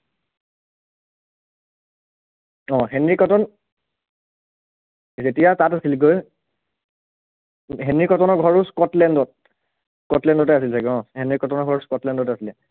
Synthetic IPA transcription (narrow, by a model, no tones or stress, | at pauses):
ɔ̃ɦɛnɹikɔtɔn | zetijatatasilɡoj | ɦɛnɹikɔtɔnɔɡʱɔɹuskɔtlɛndɔt̚ | kɔtlɛndɔtɛasiltʰakɛɔ̃hɛnɹikɔtɔnɔɡʱɔɹuskɔtlɛndɔtɛasilɛ